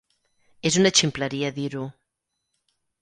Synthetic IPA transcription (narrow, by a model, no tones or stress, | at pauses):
ezunat͡ʃimplaɾiaðiɾu